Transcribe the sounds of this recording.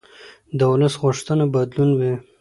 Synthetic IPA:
d̪əwuləsɣʊʂt̪ənabad̪lunwi

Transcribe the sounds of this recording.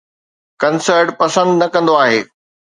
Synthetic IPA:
kɐnsəɾʈpɐsə̃nd̪nɐkɐ̃nd̪oaːɦeː

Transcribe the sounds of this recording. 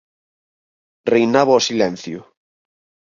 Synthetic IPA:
rejnaβoɔsilɛ̃n̟θjʊ

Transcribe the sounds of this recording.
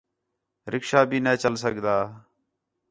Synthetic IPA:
ɾɪkʃaːbʱiːneːt͡ʃəlsəɡd̪aː

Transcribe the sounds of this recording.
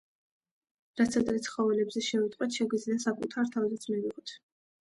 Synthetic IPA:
ɾat̪sʰad̪ɾɛt̪sʰχɔvɛlɛbzɛʃɛvɛt̪ʼqʼwɛt̪ʰʃɛɡid̪zliasakʼut̪ʰaɾt̪ʰavizat̪sʰmiviʁɔt̪ʰ

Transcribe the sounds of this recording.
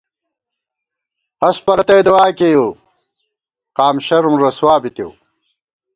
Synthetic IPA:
ɐspɐɾɐt̪ɐjd̪ɐwaːkeːjo | qaːmɕɐɾumɾɐswaːbit̪jew

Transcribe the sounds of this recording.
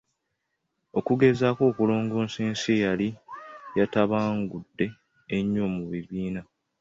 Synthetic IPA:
o̞kuɡe̞zako̞ːkulo̞ːŋɡoːnseːnsejalijataβaːŋɡudːe̞ː | ɲːoːmuβiβiːna

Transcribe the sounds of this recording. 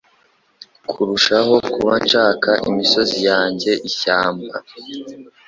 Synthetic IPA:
kʰuɾuʃaɦo̞kuβant͡ʃaːkaʔḭmiso̞zijaːɲɟe̞ʔiçaːmba̰

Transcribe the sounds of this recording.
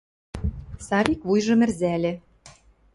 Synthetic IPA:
sɑβʲikβujʒɤ̆mɘ̆rzælʲɘ̆

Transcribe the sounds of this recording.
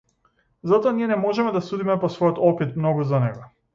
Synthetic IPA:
zat̪ɔaniɛnɛmɔʒɛmɛd̪asud̪imɛpɔsvɔjɔt̪ɔpit̪mnɔɡuzanɛɡɔ

